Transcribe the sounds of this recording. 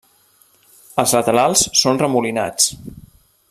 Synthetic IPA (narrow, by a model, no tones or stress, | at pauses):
əlˠzlət̪əlalˠssonrəmulina̰t͡s